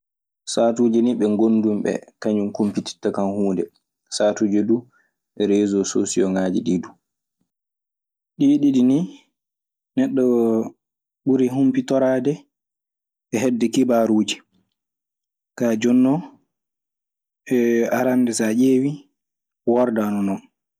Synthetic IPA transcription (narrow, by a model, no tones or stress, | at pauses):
saːtuːd͡ʒɛniɓɛŋɡondumɓɛ̰kaɲumkumpiti̥tːakanhuːndɛ | saːtuːd͡ʒɛdu | ɓɛɾɛːzɔsoːsiɔŋaːd͡ʒiɗiːdu | ɗiːɗiɗini | nɛɗːɔ | ɓuɾiɦumpitɔɾaːdɛ | ɛɦɛdːɛkibaɾuːd͡ʒi | kad͡ʒɔnːɔ | ʔɛaɾandɛsaʔeːwi | waɾdanɔnɔn